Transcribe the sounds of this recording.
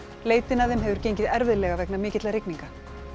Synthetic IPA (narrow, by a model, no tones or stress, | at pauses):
leːjt̪ɪnaðɪmɦɛːvʏɾ̥cejɲcɪðɛɾvɪðlɛɣavɛknamɪːcɪt̪laɾɪkniŋka